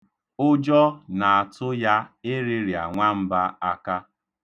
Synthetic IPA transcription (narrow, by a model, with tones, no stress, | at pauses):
ʊ˦d͡ʒɔ˦na˨a˨tʊ˦ja˦ɪ˦ɾɪ˦ɾja˨ŋʷa˦m̩˦ba˦a˦ka˦